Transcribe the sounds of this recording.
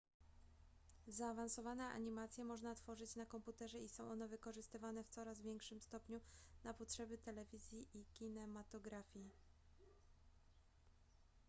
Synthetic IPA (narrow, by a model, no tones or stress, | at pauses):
zaːvansɔvanɛʔa̰ɲimat̪sʲjɛmɔʐnat̪fɔʐɘt͡ɕnakɔmput̪ɛʐɛisɔ̃w̃ʔɔnɛvɘkɔʐɘst̪ɘvanɛft̪sɔɾazvʲjɛŋkʂɘmst̪ɔpɲunapɔtʂɛbɘt̪ɛlɛvʲizʲjiʔikʲinɛmat̪ɔɡɾafʲji